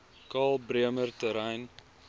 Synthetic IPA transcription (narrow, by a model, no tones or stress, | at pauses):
kɑːlˠbriəmərtəɾɛjn